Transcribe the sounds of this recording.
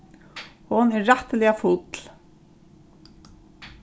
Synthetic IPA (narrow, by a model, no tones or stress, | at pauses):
hʊnɛɾraht̪əlɛafʊt̪l̥